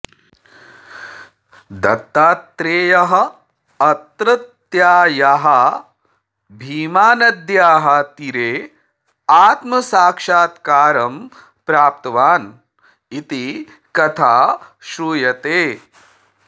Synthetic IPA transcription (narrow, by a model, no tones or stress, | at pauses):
d̪ɐt̪ːaːt̪ːɾeːjɐɦɐ̆ | ɐt̪ɾɐt̪ | jaːjaɦɐ | bʱiːmaːnɐd̪jaːɦɐt̪iɾeː | aːt̪mɐsaːkʂaːt̪kaːɾɐm | pɾaːp̚t̪ɐʋaːn | it̪i | kɐt̪ʰaːʃɾuːjɐt̪eː